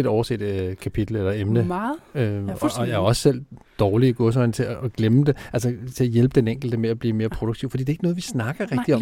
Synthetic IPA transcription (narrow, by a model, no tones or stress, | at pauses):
ed̥ɒʊɐse̝̰ːd̥kʰæpʰid̥l̩əelɐemnəøɒjæɒ̽sːel̰d̥ɒːliɡ̥ɔ̽s̬ɒɪnt͡sʰe̝æːɡ̥leməd̥eʔæls̬ɐt͡sʰe̝æjelb̥əd̥eneŋ̰ɡ̥l̩d̥əmeæb̥liːme̝ːɐpʰʁo̝d̥oɡ̥̚t͡sʰḭʊfɒ̽d̥ḭd̥ee̝ɡ̥nɔ̽ðˠʋisnɑ̈ɡ̥ɐʁɛɡ̥d̥iɒ̽